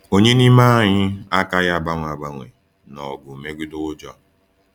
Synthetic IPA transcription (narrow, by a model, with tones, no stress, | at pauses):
o˦ɲe˦ni˦ma˦ɲɪ˦a˦ka˦ɣa˨ba˦ŋʷ˨a˨ɡ͡ba˨ŋʷḛ˨ | nɔ˨ɡʊ˨me˦ɡʷi˦dʊ˦d͡ʒɔ˦